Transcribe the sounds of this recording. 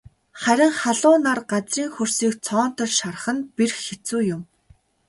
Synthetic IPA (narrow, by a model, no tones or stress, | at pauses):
χæɾʲɪ̆ŋχaɮʊːnarɢat͡sriːŋxɵrsiːkt͡sʰɔːn̥t̪ʰə̆ɮʃar̆χə̆nperxet͡suːjʊm